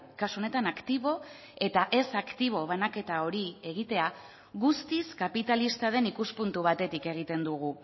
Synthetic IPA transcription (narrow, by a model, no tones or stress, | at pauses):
kasuo̞ne̞t̪anakt̪iβ̞o̞ | e̞t̪aʔe̞sakt̪iβ̞o̞β̞anake̞t̪ao̞ɾie̞ɣ̞it̪e̞a | ɣust̪iskapit̪alist̪aðe̞nikuspunt̪uβ̞at̪e̞t̪ike̞ɣ̞it̪e̞nd̪uɣ̞u